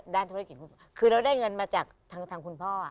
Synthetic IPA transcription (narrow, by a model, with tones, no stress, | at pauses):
daː˧˩nt̪ʰu˧aː˦˧ki˨˩t̚ku˧˥˩kʰɯː˧ɾa˧wdaː˥˩jŋɤ˧nmaː˧t͡ɕaː˨˩k̚t̪ʰaː˧ŋt̪ʰaː˧ŋkʰu˧npʰɔː˥˩ʔa̰˨˩